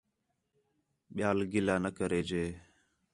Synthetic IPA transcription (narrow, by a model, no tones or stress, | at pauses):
ɓɪjaːlɡɪlaːnəkəɾeːd͡ʒeː